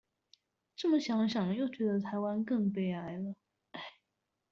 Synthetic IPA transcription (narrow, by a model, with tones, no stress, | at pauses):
ʈ͡ʂɤ˥˩mə˨˩ɕjɑ˧˥ŋɕjɑ˨˩ŋjo˥˩ʊt͡ɕɥɛ˧˥d̪ə˧t̪ʰa˧˥ɪwa˥nkɤ˥˧ŋpe˥˩ɪa˧˥ɪlə˧ | a˥˩ɪ